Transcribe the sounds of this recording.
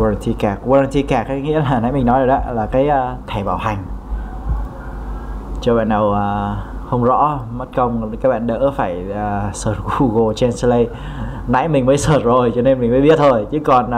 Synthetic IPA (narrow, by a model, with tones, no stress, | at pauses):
a˧a˧nt̪i˧kaː˨˧˩k̚waː˧a˧nt̪ʰi˧kaː˧˩k̚aː˨˦ŋḭ˧˥əlaː˨˩na̰˧˥jmï˨˩ŋnɔ˨˦jzo˨˩ɗa̰˧˦laː˨˩kaː˨˦jʔt̪ʰɛ˧˩ɓaː˧˩wha˨˩jŋ̟ | t͡ɕɔ˧ɓa̰ː˧˨nɗə˨˩wʔəː˨˩hə˧wŋ͡mzɔ̰˧˥mə˦˥t̚kə˧wŋ͡mkaː˦˥k̚ɓa̰ː˧˨nɗə̰˧˥faː˧˩jəː˨˩səː˧˩t̚ɣu˧ɣo˧˩t͡ɕɛ˧nslə˧j | na̰˧˥jmï˨˩ŋ̟məː˨˦jsəː˧˩t̚zo˨˩jt͡ɕɔ˧ne˧nmï˨˩ŋ̟məː˨˦jɓi˦˥ət̚t̪ʰo˨˩jt͡ɕɨ˨˦kɔ˨˩n